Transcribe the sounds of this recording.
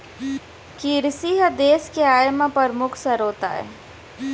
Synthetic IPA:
kiɾsiːɦəd̪eːskeaːjmapəɾmʊkʰsəɾoːt̪a̰ɦɛ̰ː

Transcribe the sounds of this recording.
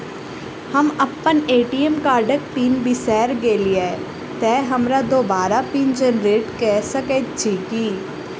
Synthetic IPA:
hɐmɐpːəneːʈiːemkaːɾɖək̚piːnbɪsɛːɾɡeːliɛː | t̪ɛːɦɐmɾad̪oːbaːɾapiːnd͡ʒenɾeːʈkɛːsəkeːt̪t͡ʃʰiːkiː

